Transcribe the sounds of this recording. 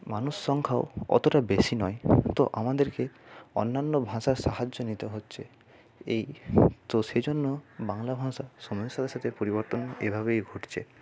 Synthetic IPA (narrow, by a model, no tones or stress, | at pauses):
manusːɔŋkʰao̰ɔ̰t̪oʈabesinɔjt̪oʔamad̪eɾkeɔ̰nːanːobʱãsaɾsaɦad͡ʒːonit̪eɦotːʃʰe | ejt̪osed͡ʑonːobaŋlabʱãsasomɔsad̪eɾʃat̪ʰepoɾibɔɾt̪onḛbʱaβejɡʱoʈt͡ɕʰe